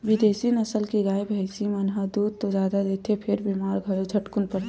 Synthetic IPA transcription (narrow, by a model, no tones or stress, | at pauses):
ʋɪd̪eːsinɐsəlkiɡaːebʱəɪsimɐnɦad̪uːd̪̚t̪od͡ʒjaːd̪ad̪eːt̪ʰepʰɪɾbimaːɾɡʱəɾod͡ʒʰʱɐʈkʊnpəɾt̪